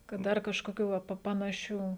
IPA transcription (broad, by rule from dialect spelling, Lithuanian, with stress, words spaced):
kɐt ˈdɐr kɐʃkoːˈkʲuː ʋɐ ˈpɐ pɐnɐˈʃʲuː